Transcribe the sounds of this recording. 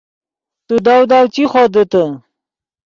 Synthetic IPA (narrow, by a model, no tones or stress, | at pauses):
t̪ud̪awd̪awt͡ɕiχod̪ət̪ə